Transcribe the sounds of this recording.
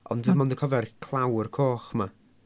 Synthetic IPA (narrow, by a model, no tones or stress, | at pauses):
ɔ̰ndwiːmɔndəkʰɔvɛrkʰlˠawrkʰoːχma